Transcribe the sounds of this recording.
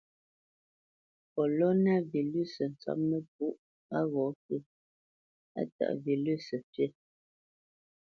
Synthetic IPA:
pɔ˨lɔ˦na˦˨vi˨lʉ˦˨sə˨n̩˨t͡sa̰˦p̚mə˦p̚u˦ʔ | a˦ɣɔ˨˦kə˦˨ | a̰˦ta̰˨ʔvi˨lʉ˦˨sə˨pɥe˦˨

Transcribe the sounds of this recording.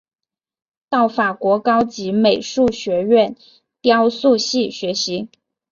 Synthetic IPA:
t̪ɑ˥˩ʊfa˨˩kwɔ˧˥kɑ˥ʊt͡ɕi˧˥me˨˩ɪʂu˥˩ɕɥɛ˧˥ɥɛ˥˩n | t̪jɑ˥ʊsu˥˧ɕi˥˩ɕɥɛ˧˥ɕi˧˥

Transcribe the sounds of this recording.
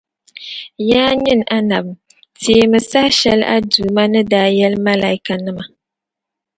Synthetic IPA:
jaː˦ɲɨ˦na˦na˨bm | teː˨mɨ˨sa˦hʃɛ˦lʔa̰˦duː˨ma˦nɨ˦daː˦jɛ˦lma˦la˨i˦ka˨nɨ˦ma˨

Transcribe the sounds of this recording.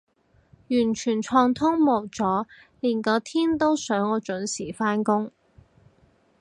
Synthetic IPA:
jyː˨˩nt͡ʃʰyː˨˩nt͡ʃʰɔː˧ŋt̪ʰʊ˥ŋmo˨˩wt͡sɔː˨˥ | liː˨˩nkɔː˨˧t̪ʰiː˥nt̪o˥wsœː˨˥ŋɔː˨˧t͡ʃɵ˨˥nsiː˨˩faː˥nkʊ˥ŋ

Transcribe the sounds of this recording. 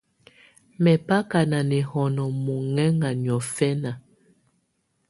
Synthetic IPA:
mɛ˨pa˦ka˨na˨nɛ˨hɔ˨nɔ˨mo˨ŋɛ˦ŋa˨n˨ɔ˨fɛ˦na˨

